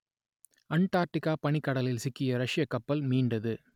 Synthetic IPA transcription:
ɐɳʈaːɾʈɪkːaːpɐɳɪkːɐɽɐlɪlsɪkːɪjɐɾɐʂɪjɐkːɐpːɐlmiːɳɖɐðɯ

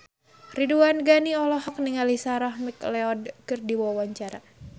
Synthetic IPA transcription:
riduanɡaniɔlɔhɔk̚niŋalisaɾahmiklɛɔdkɨrdiwawaɲt͡ʃaɾa

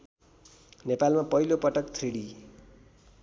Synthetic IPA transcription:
nepalmapʌɦilopʌʈʌkt̪ʰreɽi

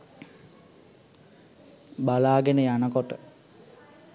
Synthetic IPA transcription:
balaːɡenəjanəkoʈə

